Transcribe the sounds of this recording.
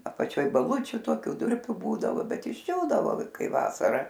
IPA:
ɐpɐˈt͡ʃʲoːj bɐˈlˠʊt͡ʃʲʊ ˈtoːkʲʊ ˈdʊrʲpʲʊ ˈbuːdɐʋoː ˈbʲɛt ɪʒʲˈd͡ʒʲuːdɐʋoː ˈkɐɪ ˈʋɑːsɐrɐ

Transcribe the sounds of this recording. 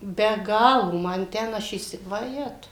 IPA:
bʲɛ ˈɡɑːlˠoː ˈmɐn ˈtʲɛn ˈɐʃ iːˈsʲɪ ʋɐˈjæːtɐʊ

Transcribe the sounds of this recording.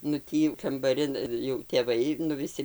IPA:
nʊ ˈtʲiː jɛʊ kɐmbɐˈrʲɪn jɛʊ tʲeːˈʋɐɪ nʊ ʋʲɪˈsʲɪ

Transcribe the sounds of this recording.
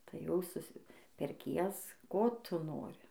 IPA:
tɐɪ ˈjɛʊ sʊˈsʲɪ pʲɛrʲˈkʲiɛs ˈkoː ˈtʊ ˈnoːrʲɪ

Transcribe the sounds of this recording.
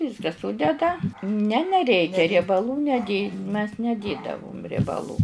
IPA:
ˈʋʲiːskɐ ˈsʊdʲɛdɐ nʲɛ nʲɛˈrʲɛɪkʲɛ rʲiɛbɐˈlˠuː nʲɛˈdʲeː mʲɛs nʲɛˈdʲeːdɐʋʊm rʲiɛbɐˈlˠuː

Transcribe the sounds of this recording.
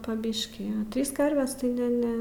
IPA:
pɐ ˈbʲɪʃʲkʲiː ɐ ˈtʲrʲiːs ˈkɐrʲʋʲɛs tɐɪ ˈnʲɛ ˈnʲɛ

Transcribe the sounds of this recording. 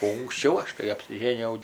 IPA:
oː ʊŋksʲˈt͡ʃʲɛʊ ˈɐʃ kɐɪ ɐpʲsʲɪˈʒʲeːnʲɪjɛʊ

